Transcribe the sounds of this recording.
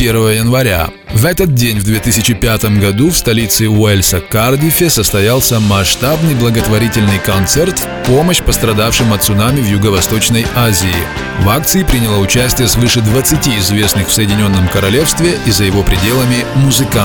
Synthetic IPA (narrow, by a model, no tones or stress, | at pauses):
pʲervəjəjənvɐɾʲa̰ | vɛt̪ət̪̚dʲenʲvd̪vʲe̞t̪ɨsʲɪt͡ɕɪpʲat̪əmɡɐd̪ufst̪ɐlʲit̪sɨʊɛlʲsəkardʲɪfʲɪsəst̪ɐjalˠsʲəmɐʂt̪abnɨjblˠəɡət̪vɐɾʲitʲɪlʲnɨjkɐnt̪sɛrt̪f | po̞məɕpəst̪ɾɐd̪afʂɨmɐt̪sʊnamʲɪvjʊɡəvɐst̪o̞t͡ɕnəjazʲɪ̰ː | vakt̪sɨɪpɾʲɪnʲɪlˠaʊt͡ɕæsʲtʲɪjəsvɨʂɨd̪vət̪sɨtʲiɪzvʲe̞snɨxfsəjɪdʲɪnʲo̞nːəmkəɾɐlʲe̞fst̪vʲɪʔizəjɪvo̞pɾʲɪdʲe̞lˠəmʲɪmʊzɨka